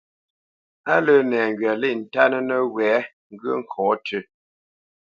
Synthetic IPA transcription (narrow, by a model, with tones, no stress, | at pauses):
a˦lə˦nɛː˨ŋ˨ɡɥɛ˨le˦˨n̩˨ta˦nə˦nə˦wɛː˨˦ | ŋ̩˦ɡɥə˦ŋ̩˦˨kʰɔː˨˦tə˦˨